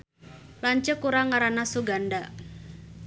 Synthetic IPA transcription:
laɲt͡ʃəkuɾaŋaɾanasuɡanda

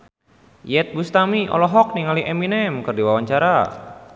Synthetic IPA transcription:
jɛt̪̚bust̪amiʔɔ̰lɔɦɔk̚niŋaliʔeminɛmkɨrdiwawaɲt͡ʃaɾa

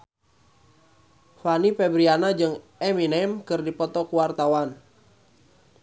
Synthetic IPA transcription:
fanipɛbɾianad͡ʒɨŋ | ɛminɛmkɨrdipɔt̪ɔkuwart̪awan

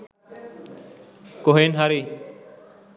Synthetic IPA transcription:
koɦeːnɦaɾiː

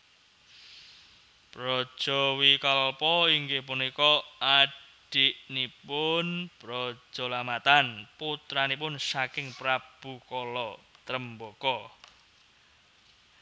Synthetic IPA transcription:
pɾɔ̥ʒ̥ɔwikalpɔiŋɡepunikɔaɖ̥iʔnipʊnb̥ɾɔ̥ʒ̥ɔ̤lamat̪anput̪ɾanipʊnsakɪŋpɾab̥ukɔlɔt̪ɾəmbokɔ

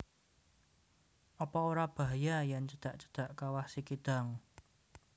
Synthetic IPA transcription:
ʔɔpɔoɾab̥aɦajajant͡ʃəd̪̥a̤ʔt͡ʃə̥d̪̥a̤ʔkawasikid̪̥a̤ŋ

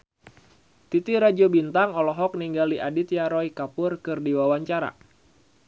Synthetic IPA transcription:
t̪it̪iɾad͡ʒobint̪aŋɔlɔɦɔk̚niŋɡaliʔadit̪jaɾɔikapʊrkɨrdiwawaɲt͡ʃaɾa̰

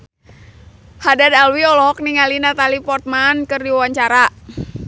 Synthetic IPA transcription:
hadadalwiɔlɔɔk̚niŋalinat̪alipɔrt̪̚mankɨrdiwawaɲt͡ʃaɾa

